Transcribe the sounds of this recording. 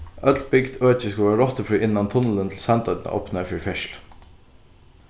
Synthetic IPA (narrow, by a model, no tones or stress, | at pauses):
ʔœt̪l̚bɪɡd̪øːt͡ʃəskʉʋæːɾɾɔt̪əfɾyːʔɪnːɑnt̪ʰʊnələnt̪ʰl̩sɛnt̪ɑd̪nə̰ʔɔ̰pnəfyɾfɪʃl